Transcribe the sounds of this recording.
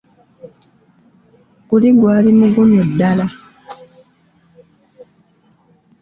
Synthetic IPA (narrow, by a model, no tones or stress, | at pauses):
kuliɡwaːɾimuɡunɔdala